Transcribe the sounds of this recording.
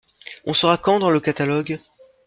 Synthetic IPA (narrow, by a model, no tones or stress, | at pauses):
ɔ̃sɔʁakɑ̃d̪ɑ̃ləkat̪alɔɡ